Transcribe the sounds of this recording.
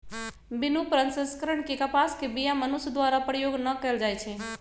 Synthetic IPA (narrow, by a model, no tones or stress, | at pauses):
binupɾənsə̃skəɾəɳkekəpaskebijamənusd̪waɾapɾəjoɡnəkɛld͡ʒajt͡ʃʰɛ